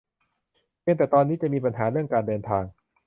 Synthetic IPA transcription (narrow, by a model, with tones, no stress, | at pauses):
pʰi˧˥˧ŋt̪ɛː˨˩t̪ɔː˧nːiː˦˥t͡ɕa˨˩ʔmiː˧pa˧nɦaː˩˦ɾɯ˥˩əŋkaː˧ndɤː˧nt̪ʰaː˧ŋ